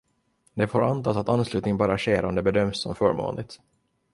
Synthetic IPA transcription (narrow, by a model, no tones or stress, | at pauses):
d̪ɛfoːɾant̪ɑːsat̪anːslʉ̟ːt̪nɪŋənbɑːɾaɕeːɾaɔmd̪ɛbɛd̪œmsːɔ̰mfœːɾmo̰ːnlɪɡ̚t̪